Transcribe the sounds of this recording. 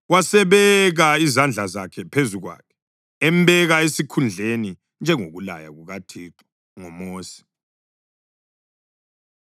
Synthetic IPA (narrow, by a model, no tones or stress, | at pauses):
wasɛβɛɣaizand͡ɮʱazakʰɛpʰezuɣwa̰kʰɛ̥ | ɛm̩bɛɣaesikʰund͡ɮʱeni | nd͡ʒʱɛŋoɣula̰ja̰ɣuɣatʰiːǃɔ̥ | ŋɔmoːsi̥